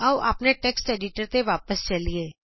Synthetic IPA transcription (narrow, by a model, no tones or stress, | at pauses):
ɔːbɐ̰pneʈeːksʈeːɖɪʈəɾt̪eʋaːpəst͡ʃɐlieː